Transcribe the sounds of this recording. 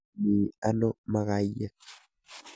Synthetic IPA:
niː˨a˦no˦ma˨ɣa˦jːa˦

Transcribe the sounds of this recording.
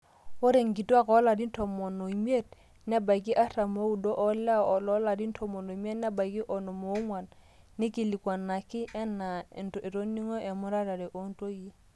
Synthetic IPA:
o˦ɾe˨ŋ˨ki˨tu˦a˦kɔ˨˦la˨di˦n̩˦tʰɔ˨mɔ˨no˨i˨mi˦e˦˨t̚ | nɛ˦ba˨i˨k̬i˦ʔa˦ta˨mo˦u˨dɔ˦ʔɔ˦la˦ɔ˨lɔ˦la˨di˦n̩˦tʰɔ˨mɔ˨no˨m˦e˦nɛ˦ba˨i˨ki˦ʔɔ˨nɔ˨mo˨˦ŋwa˨n | nːɪ˦ki˨li˨kwa˨nːa˨kɪ˦ʔɛ˦na˨n˨tɔ˨ʔe˨ɾo˦ni˦ŋɔ˦ʔɛ˨mʊ˦ɾa˦ɾa˨ɾɛ˨ʔo˦n̩˦to˦ji˦

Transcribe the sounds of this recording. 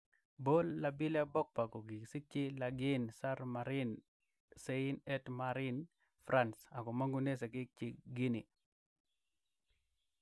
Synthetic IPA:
bo˦lːabi˦la˦bɔ˦k̚pa˨ko˨ɡi˨si˦t͡ʃɪ˦la˨ɡɪ˦nsa˦ɾmaɾɪn | se˦ɪ˦nɛ˦tmaɾɪn | fɾa˦nsa˨ko˨ma˦ŋɡu˦ne˦s̬e˨ɡɪ˦k̚t͡ʃɪ˨ɡi˦ni˨

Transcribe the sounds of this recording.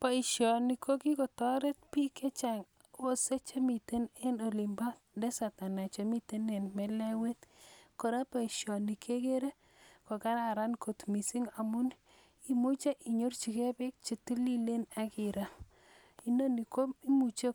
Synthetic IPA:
pa˨i˨ʃjɔ˨ni˨kʰo˦ki˦ko˨tɔ˦ɾe˦t̚pi˦ke˦t͡ʃa˨ŋ | wo˦se˦t͡ʃe˦mi˨te˦ne˦no˨li˨mba˦tnde˦sa˨ta˨na˨t͡ʃo˨mi˦te˦ne˨nmɛ˦lɛ˦we˦tko˨ɾa˦pa˨i˨ʃjɔ˨ni˨kʰe˦ke˦ɾe˦ | ko˨ka˦ɾa˨ɾa˦nko˨tmi˨si˦ŋa˨mu˦n | i˨mu˦t͡ʃe˦ʔi˨ɲo˦rt͡ʃi˨ke˦pe˦k̚t͡ʃe˨tu˦li˦le˦na˦ki˨ɾa˨ | i˦no˦ni˨ko˦i˦mu˨t͡ʃe˦

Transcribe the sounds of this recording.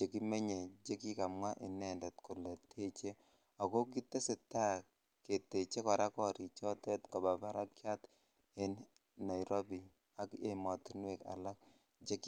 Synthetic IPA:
d͡ʒe˨ki˦me˦ɲe˨d͡ʒe˦ki˦ka˨mwa˦ʔɪ˨nɛ˦˨ndɛ˨t̪ko˨le˨tʰe˦t͡ʃe˦ | a˨ko˦ki˦t̪ːe˦sɪ˨ta˦ | ke˨te˨t͡ʃe˦ka˨ɾa˦kɔ˦˨ɾi˨t͡ʃɔ˦tɛ˦tkɔ˨ba˨ba˦ɾa˦kja˦t̪ | e˦n | na˨jɾo˦bi˨ | a˦ke˦˨mɔ˨tnwe˨ka̰˨la˦k̚ | d͡ʒe˦k

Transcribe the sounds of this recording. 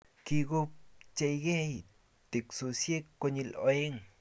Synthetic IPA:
ki˧ɡu˧p̚t͡ʃe˧jɡe˦j | t̪i˨ksu˧sje˦kːo˧ɲi˧lo˧e˦ŋ

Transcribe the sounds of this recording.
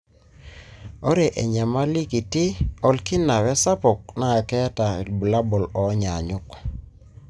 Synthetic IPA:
ɔ˦ɾe˨ʔḛ˨ɲa˨ma˦li˦ki˨tɪ˦ɔ˦lkɪ˦na˨wɛ˦sa˦pɔ˨k̚na˨a˨kɛ˦ta˨ḛ˨lbu˨la˦bɔ˨lɔ˨˦ɲa˨ɲʊ˦k

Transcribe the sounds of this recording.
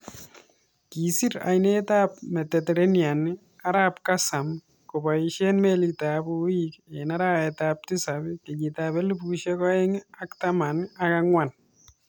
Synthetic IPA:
kisi˦ɾa̰˨jneːta˦pmɛ˨tɛte˨ɾenja˨nɪ˦ | a˦ɾaː˦pka˦sa˨m | ko˨ba˨iʃe˦nmelita˨buikena˦ɾaː˦ɛ˨tap̚ti˦sa˨bɪ˦kɪ˨ɡitaβɛ˦lu˦buʃekɔ˦e˦ŋa˦ktama˨nɪ˦akaŋwan

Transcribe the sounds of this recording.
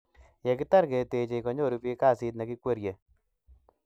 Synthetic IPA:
jɛ˨kɪ˦ta˦ɾɡe˨te˨t͡ʃe˨i˨kɔ˨ɲo˦˨ɾu˦pi˦ka˦˨sɪ˦t̪na˨kɪ˦kwe˦ɾje˨

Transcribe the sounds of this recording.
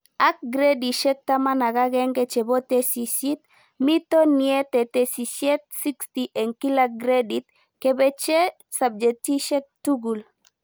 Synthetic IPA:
ak̚ɡɾe˦di˨ʃɛk̚t̪ama˦na˨ɡa˦ɡɛ˦ŋket͡ʃɛ˨bo˦t̪esi˨sit̪ | mi˦t̪o˦niɛ˦t̪e˨t̪e˨si˨sje˦t̪̚si˦kstiʔɛ˨ŋkilaɡɾedit̪ | kebɛt͡ʃe | sab̚d͡ʒɛti˦ʃɛ˦k̚tuɡul

